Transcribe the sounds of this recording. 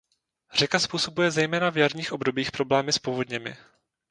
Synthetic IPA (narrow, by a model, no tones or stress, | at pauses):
r̝ɛkaspuːso̞bujɛzɛjmɛːnavjarɲiːxʔo̞bdo̞biːxpɾo̞blɛːmɪspovo̞dɲɛmɪ̰